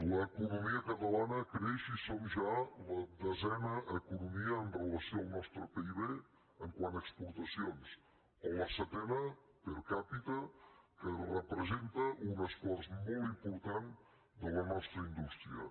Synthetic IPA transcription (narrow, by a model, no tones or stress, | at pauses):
ləːkunumiəkət̪əlanəkɾeʃisomʒaləðəzɛnəʔəkunumiəːnrələsioalˠnɔst̪ɾəpəiβe | əŋkwanəkspuɾt̪əsions | oləsət̪ɛnə | pəɾkapit̪əkərəpɾəzent̪əʔunəsfɔɾt̪molˠt̪impuɾt̪an | d̪ələnɔst̪ɾəind̪ust̪ɾiə̰